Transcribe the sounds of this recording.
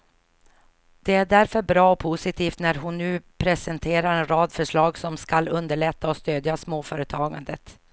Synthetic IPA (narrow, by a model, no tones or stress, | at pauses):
d̪̥ɛæɖæɾfœɾbɾɑːɔpʰʊsɪt̪ʰiːft̪næɾɦʊnːʉ̟ːpʰɾɛsɛnt̪ʰeːɾaɾɛnɾɑːd̪fœʂɭɑːɡsɔmskalɵnd̪əɭɛt̪ːaɔst̪øːd̪jasmoːfœːɾət̪ʰɑːɡa̰nd̪ət̪